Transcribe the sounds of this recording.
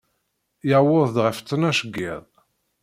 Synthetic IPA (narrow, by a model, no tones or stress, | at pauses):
jəwʊðˤd̪ʁəft͡sːənæʃəɡːɪ̰ðˤ